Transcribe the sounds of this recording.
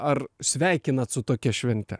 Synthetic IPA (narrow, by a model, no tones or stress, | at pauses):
ɐrsʲʋʲæˑɪkʲɪnɐt̪sʊt̪oːkʲɛʃʲʋʲɛnʲt̪ʲɛ